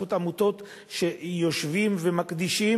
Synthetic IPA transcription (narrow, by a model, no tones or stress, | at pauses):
ot̪amut̪o̞t̪ | ʃe̞jo̞ʃvimvemakd̪iʃi